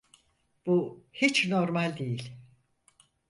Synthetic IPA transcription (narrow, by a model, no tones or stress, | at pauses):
b̥uhit͡ʃnoɾmalʲd̪ejilʲ